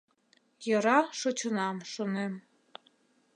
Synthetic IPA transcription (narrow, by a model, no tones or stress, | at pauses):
jɤ̆ɾɑʃot͡ɕunɑmʃonem